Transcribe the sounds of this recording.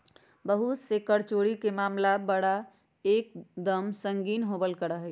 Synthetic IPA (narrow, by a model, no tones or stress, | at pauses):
bəɦut̪sekəɾt͡ʃoɽikemaːmlabəɽa | ek̚d̪əmsə̃ŋɡiːnɦobəlkəɾəɦə